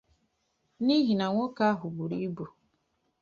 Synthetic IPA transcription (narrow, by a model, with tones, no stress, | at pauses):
ni˦ɦi˨na˨ŋʷo˦ka˦ɦʊ˨bu˨ɾi˦bu˨